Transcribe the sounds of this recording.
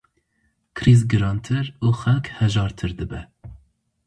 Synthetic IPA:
kʰɾizɡɨɾɑːnt̪ʰɨɾuːxɛlkhɛʒɑːɾt̪ʰɨɾd̪ɨbɛ

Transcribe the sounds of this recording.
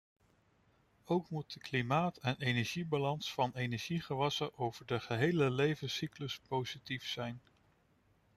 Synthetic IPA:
owkmut̚dəklimaːtɛnejnɛɹʒibalɑnsfɑnejnɛɹʒ̥iχəʋɑsəʔowvəɹdəχəɦejləlejvənsikləspowz̥itifsɛjn

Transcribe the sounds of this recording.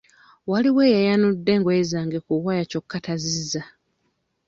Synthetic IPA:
waliweːjajanudːe̞ŋɡwezaːŋɡekuwajaco̞kːatazizːa

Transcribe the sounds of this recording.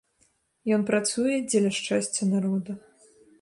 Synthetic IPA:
jɔnpɾat̪sujɛd͡zʲɛlʲɐʂt͡ʂasʲt͡sʲːɐnaɾɔd̪ɐ

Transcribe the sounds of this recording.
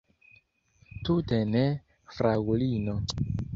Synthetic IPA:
tutene | fɾaɡulino

